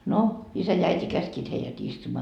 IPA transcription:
no isæ jɑ æiti kæskiːt heijæt istumɑː

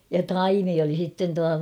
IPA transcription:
jɑ tɑimi oli sitːen tuɑ

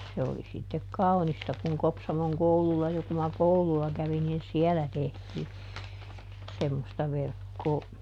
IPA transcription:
se oli sitːek kɑu̞nistɑ kuŋ kopsɑmoŋ koululːɑ jo ku mɑ kouluɑ kæʋin niːn siɛlæ tehtiː semːostɑ ʋerkːoː

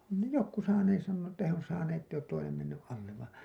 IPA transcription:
on ne jokːu sɑːneːs sɑnːoː etːæ he on sɑːneː tːeij oːt toinem menːyʔ ʔɑlːeʋ ʋɑˑ

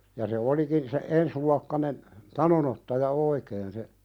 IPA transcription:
jɑ se olikin se ensluɑkːɑnen tɑnonotːɑjɑ oikeːn se

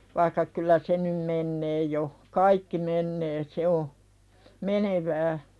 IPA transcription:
ʋɑikːɑ kylæ se num menːeː jo kɑikːi menːeː se o meneʋæː

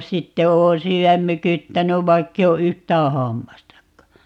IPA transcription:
sitːe oːn syːæm mykytːænyʋ ʋɑikːei o yhtˑæː hɑmːɑstɑkːɑ

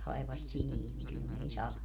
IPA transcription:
tɑi̯ʋɑs siliː niŋ kyl ne ei sɑlɑ

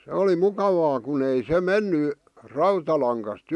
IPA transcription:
se oli mukɑʋɑː kun ei se menːy rɑutɑlɑŋkɑst

